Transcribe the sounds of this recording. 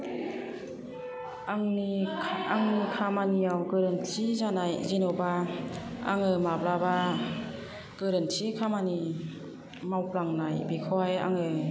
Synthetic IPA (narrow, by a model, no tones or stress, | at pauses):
aŋniaŋnikʰamanijawɡɯɾɯnsizanajzinɔba | a̰ŋɯmaplaba | ɡ̥ɯɾɯntʰikʰamani | mawplaŋnajbikʰɔwaja̰ŋɯ